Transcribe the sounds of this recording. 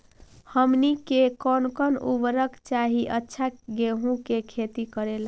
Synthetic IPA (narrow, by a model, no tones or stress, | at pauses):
həmnikekɔnkənubɾəkt͡ʃaɦiʔətːʃʰaɡeɦũkekʰet̪ikəɾela